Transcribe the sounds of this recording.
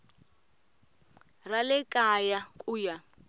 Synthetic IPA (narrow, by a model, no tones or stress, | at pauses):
ralɛkʼajakʼuːja